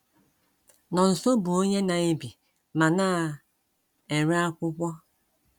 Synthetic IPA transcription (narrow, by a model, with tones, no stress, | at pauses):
nɔ˨n̩˨so˦bʊ˨o˦ɲe˦na˨e˦bi˨ | ma˨naː˦˨ | e˨ɾi˦a˦kʷʊ˦kʷɔ˦